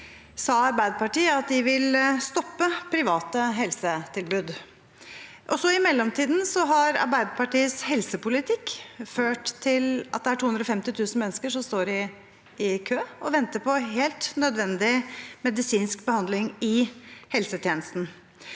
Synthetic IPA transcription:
sɑːɑɾbæɪd̪əpɑʈiːəɑt̪̚d̪ɪʋɪlst̪ɔpːəpʰɾɪʋɑːt̪əɦɛlsət̪ʰɪlbʉːd̪ | ʔɔsɔɪmɛlːɔmt̪ʰiːd̪n̩sɔɦɑɾɑ̰ɾbæɪd̪əpɑʈiːəshɛlsəpʊlɪt̪ʰɪkːføːʈt̪ʰɪlɑ̰t̪̚d̪ɛæʈʰuːɵnɾɔfɛmt̪ɪt̪ʰʉːsn̩mɛnːəskəʂɔmst̪oːɾɪ | ɪkʰøːɔʋɛnt̪əpʰɔɦeːlt̪nœd̪ʋɛnd̪ɪmɛd̪ɪsiːnskbəhɑnd̪lɪŋɪhɛlsət̪ʰjeːnəst̪n̩

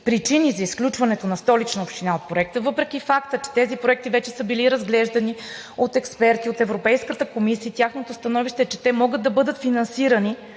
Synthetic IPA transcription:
pɾit͡ʃinizɐisklʲut͡ʃvɐnɛt̪onɐst̪ɔlit͡ʃnɐopʃt̪inaot̪̚pɾoɛk̚t̪əvɤpɾɛk̟ʲifakt̪ət͡ʃɛ̥t̪ɛzipɾoɛk̚t̪ivɛt͡ʃɛsɤbiliɾɐzɡlɛʒd̪ɐni | ot̪ɛkspɛɾt̪iot̪ɛvɾopɛjskət̪əkomisiət̪ʲjaxnot̪ost̪ɐnɔviʃt̪ɛt͡ʃɛ̥t̪ɛmɔɡəd̪ːɐbɤd̪ət̪finɐnsiɾɐni

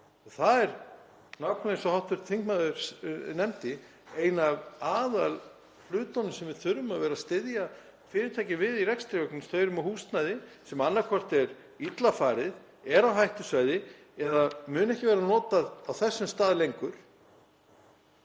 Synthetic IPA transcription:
θaðɛɾ | nawkʰnaɪnsɔhawht̪vʏɾ̥t̪ʰfiŋkmaðʏɾnɛmt̪ɪ | eːjnavaːðal | flʏːt̪ɔnʏsɛmvɪð̥θʏɾʏmavɛːɾast̪ɪðja | fɪːɾɪt̪ʰajcɪvɪðirɛkst̪ɾɪœknɪmst̪œːɥɾʏmɔhuːst̪najðɪsɛmanːakʰɔr̥t̪ɛɾ | it̪lafaːɾɪð | ɛɾawɦajht̪ʏsvajðɪ | ɛðamʏːnɛhcɪvɛːɾanɔːt̪aðawθɛsːʏmst̪aːðlejŋkʏɾ̥

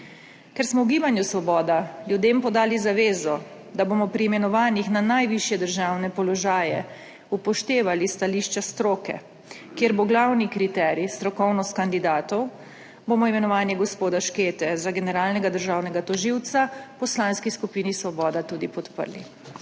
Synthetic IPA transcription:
kɛɾsmɔwɡiːbanjusʋɔbɔːd̪aljud̪eːmpɔd̪aːlizaʋeːzɔ | d̪aboːmɔpɾiːmɛnɔʋaːnixnanajʋiʃjɛd̪əɾʒaːwnɛpɔlɔʒaːjɛ̰ | upɔʃt̪eːʋalist̪aliːʃt͡ʃast̪ɾoːkɛ̰ | kjeɾboɡlawnikɾit̪ɛɾist̪ɾɔkɔwnɔst̪kand̪id̪aːt̪ɔw | boːmɔimɛnɔʋaːnjɛɡɔspoːd̪aʃkeːt̪ɛzaɡɛnɛɾaːlnɛɡad̪əɾʒaːwnɛɡat̪ɔʒiwt̪sapɔslaːnskiskupiːnisʋɔbɔːd̪at̪uːd̪ipɔt̪pə̰ɾli

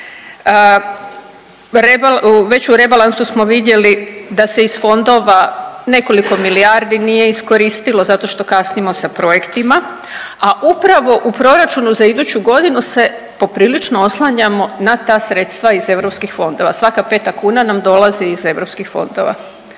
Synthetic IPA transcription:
ə | ɾebuʋe̞t͡ɕuɾe̞balˠansusmo̞ʋid̪je̞lid̪ase̞isfo̞nd̪o̞ʋane̞ko̞liko̞miliaɾd̪inije̞isko̞ɾiist̪ilo̞zat̪o̞ʃt̪o̞kasnijmo̞sapɾo̞je̞kt̪ima | aʔupɾaʋo̞ʔupɾo̞ɾat͡ʃunuzaid̪ut͡ɕuɡo̞d̪inuse̞ | po̞pɾiːlit͡ʃnooslˠaɲamo̞nat̪aːsɾe̞ːt̪st̪ʋaize̞ʋɾo̞pskixfo̞nd̪o̞ʋasʋakape̞t̪akuːnanamd̪o̞lˠaziːze̞ʋɾo̞pskixfo̞̰nd̪o̞ʋa̰

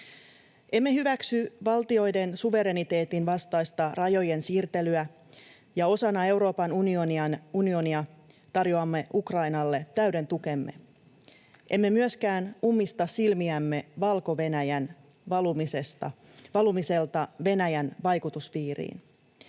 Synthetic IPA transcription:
ʔe̞mːe̞hyʋæksyʋɑlt̪io̞jde̞nsuʋe̞ɾe̞nit̪e̞ːt̪inʋɑst̪ɑjst̪ɑrɑjo̞je̞nsiːrt̪e̞lyæ | jɑo̞sɑnːɑe̞wɾo̞ːpɑnunioniɑnunio̞niɑt̪ɑrjoɑmːe̞ʔukrɑjnɑlːe̞t̪æɥde̞nt̪uke̞mːe̞̰ | ʔe̞mːe̞myøskæːnumːist̪ɑssilmiæmːe̞ʋɑlko̞ʋenæjæn | ɑlumisest̪ɑ | ʋɑlumise̞lt̪ɑʋe̞næjænʋɑjkut̪usʋiːrḭːn

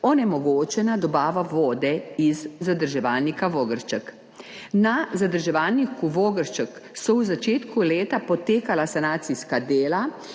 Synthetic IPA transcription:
ɔnɛmɔɡoːt͡ʃɛnad̪ɔbaːʋaʋoːd̪ɛizːad̪əɾʒɛʋaːlnikaʋoːɡəɾt͡ʃək | nazad̪əɾʒɛʋalnikuʋoːɡəɾt͡ʃəksɔwzat͡ʃeːt̪kuleːt̪apɔt̪eːkalasanaːt̪siskad̪eːla

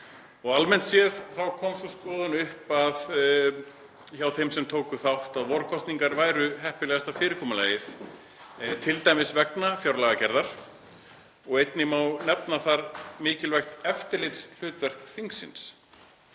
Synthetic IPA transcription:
ɔɣalmɛn̥t̪sjɛðθawkʰɔːmsskɔːðʏnʏhpað | çawθejmsɛmt̪ʰoːwkʏθawht̪aðvɔɾkʰɔst̪niŋkaɾvaːjɾʏɦɛhpɪlɛːɣast̪awfɪːɾɪkʰɔːmalaːjɪθ | t̪ʰɪlt̪ajmɪsvɛknafjawɾlaɣacɛɾðaɾ̥ | ɔɣejt̪nɪmawnɛpnaθaɾmɪːcɪlvɛjxt̪ɛft̪ɪɾlɪt̪sl̥ʏːt̪vɛr̥kθiŋksɪ̰ns

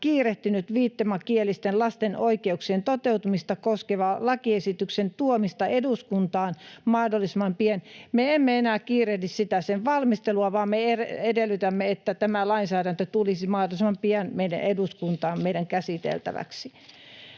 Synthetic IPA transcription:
kiːreht̪ynyt̪ʋiːt̪ːemɑkielːist̪enlɑst̪enoikeuksient̪ot̪eut̪umist̪ɑkoskeʋɑlɑkiesit̪yksent̪uomist̪ɑeduskunt̪ɑːnmɑhdolːˑismɑmpienmeemːeenæːkiːrehlissit̪æseʋʋɑlmist̪eluɑʋɑːmmeereedelːˑyt̪æmːeet̪ːæt̪æmælɑinsæːɾænt̪øt̪ulisimɑhdolismɑmpiænmeidæ̰ʔeduskunt̪ɑːmmeiɾæŋkæsit̪ḛlt̪æ̰ʋæ̰ksi

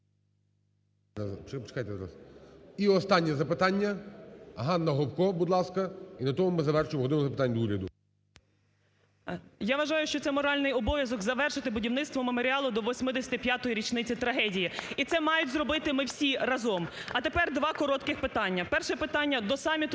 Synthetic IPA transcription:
pt͡ʃpt͡ʃɪ̥kajt̪ɛzɾa̰siɔst̪ɑnʲːɛzɐpɪt̪ɑnʲːɐ | ɦɑnːɐɦɔwkɔbud̪lˠɑskɐinɐt̪ɔmʊmɪzɐʋɛrʃʊjemɔɦɔd̪ɔmzɐpɪt̪anʲːd̪uɾʲɐd̪ʊ | jaʋɐʒɑjʊʃt͡ʃɔt̪sɛmɔɾɑlʲnɪjɔbɔʋʲjɐzɔkzɐʋɛrʃɪt̪ɪbʊdʲiwnɪt̪st̪ʋɔmemoɾʲiɑlˠʊd̪ɔʋɔsʲmɪd̪esʲɐ̥t̪ɪpʲjat̪ɔjiɾʲit͡ʃnɪt͡sʲit̪ɾɐɦɛdʲijiit̪sɛmɑjʊtʲzrɔbɪt̪ɪmɪwsʲirɐzɔmɐt̪epɛrd̪ʋɑkɔɾɔt̪kɪxpɪt̪ɑnʲːɐpɛrʃɛpɪt̪ɑnʲːɐd̪ɔsɑmʲit̪

